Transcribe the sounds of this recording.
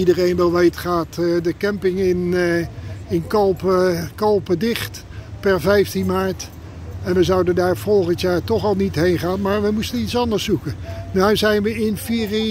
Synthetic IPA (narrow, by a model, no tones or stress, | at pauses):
idərejnʋɛlˠʋejtχaːtdəkɛmpɪŋɪn | ɪnkolˠpkɑlˠpədɪχt | pɛɹvɛjftinmaːɹt | ɛnʋəzɑwdəndaːɹv̥ɔlˠχəntjaːɹtɔχɑlˠnitɦejnχaːnmaːɹʋəmustənitsɑndəɹsukənawzɛjnʋəɪnfiːr